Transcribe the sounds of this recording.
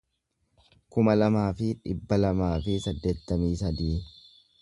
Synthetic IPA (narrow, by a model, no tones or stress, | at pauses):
kʊmɐlɐmaːfɪᶑɪbːɐlɐmaːfɪsɐd̪ːe̞ːt̪ːɐmiːsɐd̪iː